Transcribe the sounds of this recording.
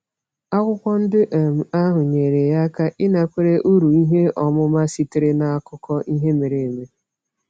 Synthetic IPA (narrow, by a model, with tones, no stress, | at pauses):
a˦kʷʊ˦kʷɔ˦n̩˦dɪ˦ʔe˨m̩˨a˦ɦʊ˨ɲe˨ɾe˨ja˦ka˦ʔɪ˦na˨kʷe˦ɾe˦ʔu˦ɾu˨i˦ɦe˦ɔ˨mʊ˦ma˦si˦tɪ˨ɾɪ˦na˦˨a˦kʊ˦kɔ˦ʔi˦ɦe˦me˨ɾe˨e˨me˦